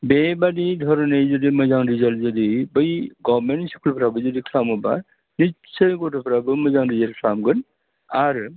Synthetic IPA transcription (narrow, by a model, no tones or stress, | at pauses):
bebadidʱɔɾnejzɔdimɯzaŋɾizalzɔdibɯjɡɔmensi̥kʰulpʰɾabɯzɔdikʰlamɯba̰ | ni | səjɡɔtʰɔpʰɾabɯmɯzaŋɾizalkʰlamɡɯn | aɾɯ